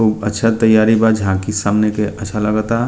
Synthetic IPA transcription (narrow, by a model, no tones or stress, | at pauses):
uːbətːʃʰat̪əjaɾibad͡ʒɦãkisamnekeʔətːʃʰaləɡət̪a